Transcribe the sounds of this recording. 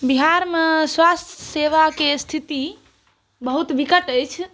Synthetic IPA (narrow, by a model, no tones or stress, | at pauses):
biɦaɾmeswast̪ʰəseʋakest̪ʰit̪i | bəɦut̪ʋikəʈəjt͡ʃʰ